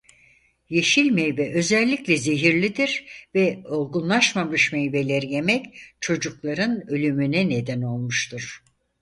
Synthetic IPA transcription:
je̞ʃilʲmejbɛʔø̞zɛlʲːiclʲɛze̞ɦiɾlʲid̪iɾvɛo̞lˠɡunlˠaʃmamɯʃmejbe̞lʲeɾije̞mɛct͡ʃʰo̞d͡ʒuklˠaɾɯnø̞lʲymynɛned̪æno̞lˠmuʃt̪ʰuɾ̥

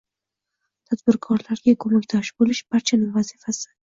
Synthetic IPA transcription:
t̪ʰad̪bɪɾkʰɒɾlaɾɡʲakʰɵmakʲd̪ɒʃbolɪʃb̥aɾt͡ʃʰanɪŋvazifasɪ̥

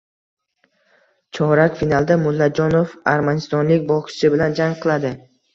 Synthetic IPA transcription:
t͡ʃʰɒɾakfinalˠd̪amʊlːad͡ʒɒnofaɾmanɪst̪ɒnlɪkʲbɒqʰɪ̥t͡ʃɪbɪland͡ʒaŋqʰɨlˠad̪ɪ

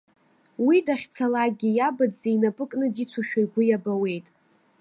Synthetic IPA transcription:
widaχʲt͡sʰalaɡʲijabadzeinapʼɨkʼnɨdit͡sʰuʃᶣajɡʷʊjabawe̞jtʼ

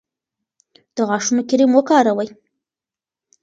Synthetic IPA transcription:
d̪̥əɣɑʂunokɪɾimwəkɑɾawəj

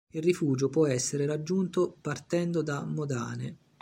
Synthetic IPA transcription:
ilrifuːd͡ʒopwɔɛsːeɾeɾad͡ʒːunt̪opart̪ɛnd̪od̪amːod̪a̰ːne

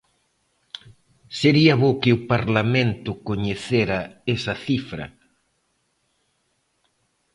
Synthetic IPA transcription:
seɾiɐβokɪʊpaɾlamẽnt̪ʊkoɲeθeɾɐesɐθifɾɐ̰

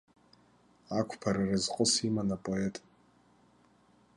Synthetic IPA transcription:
akʷʰpʰaɾarɨzqʼəsimanapʼoetʼ

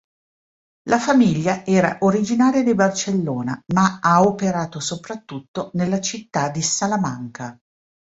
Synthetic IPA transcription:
lʔafamiʎːaɛːɾaʔoɾid͡ʒinaːɾjad̪ibart͡ʃelːoːnamaaopeɾaːt̪osopɾat̪ːut̪ːonelːat͡ʃit̪ːad̪ːisalamaŋka

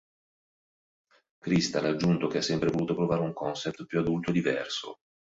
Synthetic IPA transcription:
kɾist̪alad͡ʒːunt̪okeasːɛmpɾevoluːt̪opɾovaːɾeuŋkɔnsɛp̚t̪pjuad̪ult̪oed̪ivɛ̰rso̰

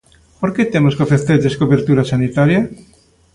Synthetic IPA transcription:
poɾket̪emoskofest̪eteskoβeɾt̪uɾasanit̪aɾja

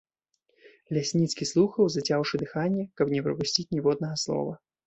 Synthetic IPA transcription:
lʲasʲnʲit̪skʲislˠuxɐwzɐt͡sʲawʂɨd̪ɨxanʲːɛkɐpnʲɛpɾɐpusʲt͡sʲit͡sʲnʲivɔd̪̚nɐɣɐslˠɔ̰vɐ

